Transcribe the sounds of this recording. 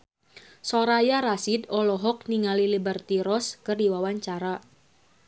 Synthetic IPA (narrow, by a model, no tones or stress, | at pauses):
soɾajaɾasidɔlɔɦɔk̚niŋalilibərt̪iɾɔskɨrdiwawaɲt͡ʃaɾa